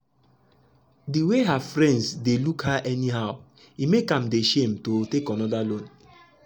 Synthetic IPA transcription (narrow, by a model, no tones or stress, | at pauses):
diweɦavfɾɛ̃ndsdelukhaʔɛniɦaʊ | imekam̩deʃem̩totekɔnɔdalon